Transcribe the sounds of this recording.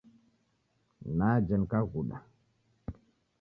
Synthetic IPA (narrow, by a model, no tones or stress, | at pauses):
nad͡ʒənkaɡuɗa̰